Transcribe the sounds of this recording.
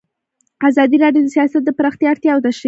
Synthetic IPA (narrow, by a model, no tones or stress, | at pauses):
azɑd̪iɾɑɖjod̪əsijɑsat̪̚d̪əpɾɑxt̪jɑːɽt̪jɑwt̪aʃ